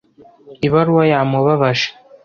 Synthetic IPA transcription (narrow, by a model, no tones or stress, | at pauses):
iβaɾuwajamoβaβaʃe̥